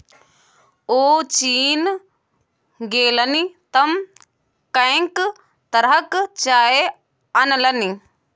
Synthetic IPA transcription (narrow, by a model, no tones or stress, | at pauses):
oːt͡ʃiːn | ɡeːlɐnit̪ɐm | kɐjŋk | t̪ɐɾɦɐkt͡ʃaːe | ɐnɐlɐni